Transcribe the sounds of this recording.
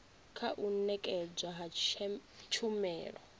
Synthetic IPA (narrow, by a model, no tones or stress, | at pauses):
kʰaʔunɛkʼɛd͡zwaɦa | t͡ʃʰumɛ̰ːɺɔ̰